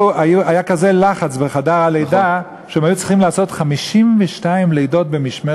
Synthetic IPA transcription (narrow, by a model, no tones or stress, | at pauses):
ajuajakaze̞laχat͡sbeχadaʁalejda | ʃeemajut͡siχimlaːso̞tχamiʃimveʃtaimlejdo̞t̚bemiʃme